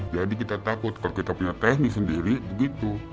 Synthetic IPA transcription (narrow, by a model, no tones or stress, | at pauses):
d͡ʒadik̬it̪at̪akʊt̪̚kalokit̪apuɲat̪ɛnɪsəndiɾibəɡit̪u